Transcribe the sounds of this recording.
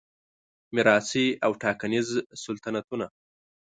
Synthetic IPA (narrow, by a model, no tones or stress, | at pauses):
mɪɾɑsiawʈɑkanizsʊlt̪anat̪una